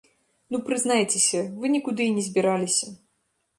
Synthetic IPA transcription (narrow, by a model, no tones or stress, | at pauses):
nupɾɨznajt͡sʲesʲɐvɨnʲikud̪ɨːnʲɛzʲbʲiɾalʲisʲɐ